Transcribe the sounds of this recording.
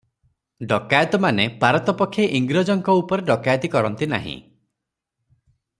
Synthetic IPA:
ɖɔkajɔt̪ɔmanepaɾɔt̪ɔpɔkʰːjeʔiŋɡɾɔd͡ʒɔŋkɔupɔɾeɖɔkajɔt̪ikɔɾɔnt̪ina̰ɦḭ̃

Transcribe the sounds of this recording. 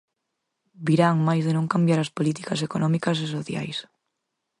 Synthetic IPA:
biɾaŋmajzðenõŋkambjaɾaspolit̪ikas̬ekonɔmikɐs̬es̬oθja̰js

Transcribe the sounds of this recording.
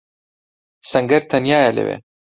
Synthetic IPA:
sɐŋɡɐɾt̪ʰɐnjaːjalḛvḛ

